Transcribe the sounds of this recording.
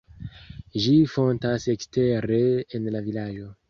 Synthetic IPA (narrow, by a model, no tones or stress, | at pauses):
ʒifo̞ntase̞kste̞ɾe̞ːnlavilad͡ʒo̞